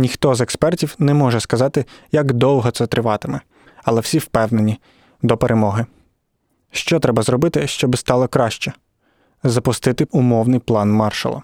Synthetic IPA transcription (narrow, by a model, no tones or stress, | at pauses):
nʲixt̪ɔzekspɛrtʲiwnɛmɔʒɛskɐzɑt̪ɪjɐɡd̪ɔwˠɦɔt̪sɛt̪ɾɪʋɑt̪ɪmɛ | ɐlˠɛwsʲiwpɛwnenʲi | d̪ɔpeɾʔemɔɦɪ | ʃt͡ʃɔt̪ɾɛbɐzɾɔbɪt̪ɪʃt͡ʃɔbɪst̪ɑlˠɔkɾɑʃt͡ʃɛ | zɐpʊst̪ɪt̪ɪʊmɔwnɪjplˠɑnmɑrʃɐ̰lˠɐ̰